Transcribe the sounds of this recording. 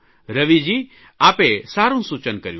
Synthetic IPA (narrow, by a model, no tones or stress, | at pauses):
ɾəʋid͡ʑi | aːpesaːɾũːsut͡ʃənkɐɾju